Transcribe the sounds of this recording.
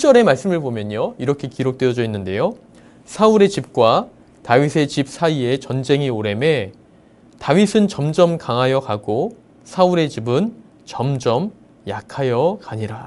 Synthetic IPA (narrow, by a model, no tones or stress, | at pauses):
ut͡ɕ͈ʌɾe̞maɭs͈ɯmɯɭbomjʌɲoiɾʌkʰe̞kiɾok̚t͈weʌd͡ʑʌinːɯnde̞jo | sʰauɾe̞t͡ɕip̚k͈wa | tawɥisʰe̞t͡ɕip̚s͈ʰaie̞t͡ɕʌnd͡ʑe̞ŋioɾe̞me̞ | tawɥisʰɯnt͡ɕʌmd͡ʑʌmkaŋɦajʌkaɡo | sʰauɾe̞t͡ɕibɯn | t͡ɕʌmd͡ʑʌm | jakʰajʌkaɲiɾa